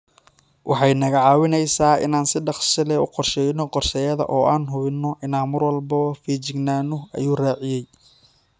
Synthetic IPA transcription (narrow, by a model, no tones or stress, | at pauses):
wʔɑħɑjnɐɣɐʕɑːwɪnɛjsaːʔɪ̰naːnsɪɖɑqsɪlɛʊ̰qɔrʃɛːjnɔqɔrʃɛːjɐðɐ̰ʔɔːʔaːnɦʊβɪnːɔʔɪnaːnmɐrwɐlbɐfiːt͡ʃɪɡnaːnʊʔɐ̰juːraːʕɪjɛj